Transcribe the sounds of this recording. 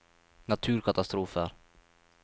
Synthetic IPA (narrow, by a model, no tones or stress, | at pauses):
nat̪ʰʉ̟ːɾkʰat̪ast̪ɾuːfə̰ɾ